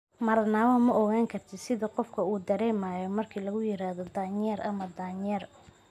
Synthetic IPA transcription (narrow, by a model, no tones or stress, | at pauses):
mɐrnawɐmɐʔɔɣaːŋkʰɐrt̪ʰɪsɪðɐqɔfkʰɐuːd̪ɐɾɛːmaːjɔmɐrkʰiːlɐɣʊjɪɾaːhðɔd̪aːɲɛːɾʔɐmɐd̪aːɲɛːr